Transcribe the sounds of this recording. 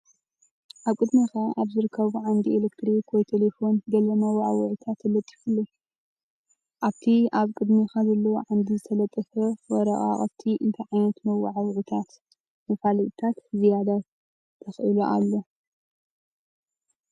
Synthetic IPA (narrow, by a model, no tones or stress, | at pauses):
ʔaβkʼɨd̪mikʰaʔaβzɨɾɨkʰːɐβuʕand̪ielekt̪ʰɾikʰwojt̪ʰelefo̞nɡɐlɐmawaʕawʕut̪ʰat̪ʰːɨlɐt̪ʼːi̥ħulːo | ʔaβt̪ʰiaβkʼɨd̪mikʰazɐlːɐwoʕand̪izɨt̪ʰɐlɐt̪ʼːɨfɐwɔɾɐʔʼa̰χʼɐ̰t̪ʰːiʔɨnt̪ʰɐʕajnɐt̪mɐwːa̰ʕawʕut̪ʰat̪ | mɐfaliʔt̪ʰat̪hɨzijad̪a | t̪ʰɐxʔḭloʔa̰lːo̞